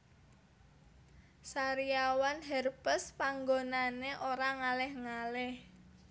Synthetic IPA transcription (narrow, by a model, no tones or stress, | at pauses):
saɾiawanɦɛrpəspaŋɡonaneʔoɾaŋalɛhŋalɛh